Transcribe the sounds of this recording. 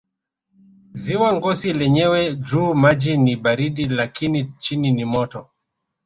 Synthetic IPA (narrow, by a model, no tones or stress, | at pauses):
ziwaŋɡɔsilɛɲɛwɛd͡ʒumad͡ʒiniɓaɾiɗilakinit͡ʃininimɔtɔ